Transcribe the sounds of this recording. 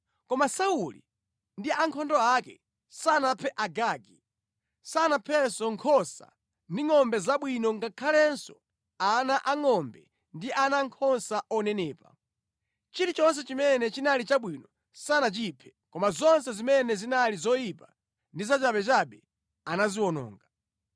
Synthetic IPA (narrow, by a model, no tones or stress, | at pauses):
kɔmasaulḭ | ndiaŋkʰɔndɔakɛ̰ | sanapʰɛʔaɡaɡi | sanapʰɛsɔŋkʰɔsa̰ | ndiŋɔmbɛzaɓwinɔŋɡakʰalɛnsɔ̰ | anaʔaŋɔmbɛ | ndiʔanaŋkʰɔnsaʔɔnɛnɛːpa̰ | t͡ʃiɾit͡ʃɔns̬ɛt͡ʃimɛnɛt͡ʃinalit͡ʃaɓwinɔ | sanat͡ʃipʰɛ̥ | kɔmazɔns̬ɛzimɛnɛzinalizɔjipa | ndizat͡ʃaɓɛt͡ʃaɓɛ | anaziwɔnɔ̰ːŋɡa